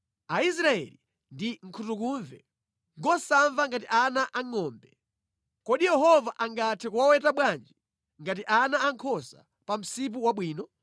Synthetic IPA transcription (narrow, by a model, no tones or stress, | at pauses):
ais̬ɾaɛ̰li | ndiŋ̩kʰutukuɱvɛ̰ | ŋɡɔsaɱvaŋɡatiʔanaʔaŋɔːmbɛ | kɔɗijɛhɔvaʔaŋɡatʰɛkuwawɛtaɓwand͡ʒi | ŋɡat̬iʔanaaŋkʰɔsa̰ | pam̩sip̬uwaɓwiːnɔ